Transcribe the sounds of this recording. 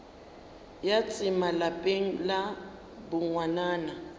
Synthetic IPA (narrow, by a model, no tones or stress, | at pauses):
jat͡sʼɪmalapʼeŋ̩la | bʊŋwanaːna